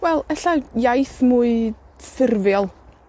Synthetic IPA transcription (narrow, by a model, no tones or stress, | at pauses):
wɛlˠəɬajajθmuɨ | sɪrvjɔlˠ